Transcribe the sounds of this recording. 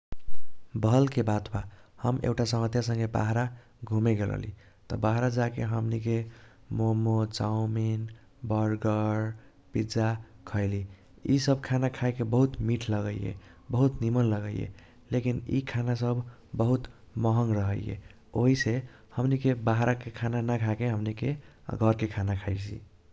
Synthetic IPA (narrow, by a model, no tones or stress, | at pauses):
bʱəlkebat̪ʰbahəmḛkʈasəŋət̪jasə̃ŋɡeba̰ɦɾa | ɡʱumeɡelə̰lḭ | t̪ɔ̰baɦɾad͡ʒakeɦəmnike | momot͡ʃawmin | bəɾɡəɾ | pid͡ʒakʰəɪli | isəbʱkʰanakʰajkebəɦut̪miʈʰləɡəijḛbəɦut̪nimənləɡəijḛ | lekinḭkʰanasəbʱː | əɦut̪ | məɦəŋɡɾəɦəjḛ | oɦise | həmnikebaɦɾakekʰananakʰakeɦəmnikeɡʱəɾkekʰanakʰajsḭ